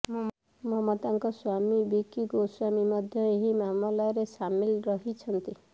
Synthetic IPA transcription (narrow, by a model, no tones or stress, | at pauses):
m | mɔmɔt̪aŋkɔswamibikiɡoswamimɔd̪ʱjɔeɦimamɔlaɾesamilɾɔɦit͡ʃʰɔnt̪i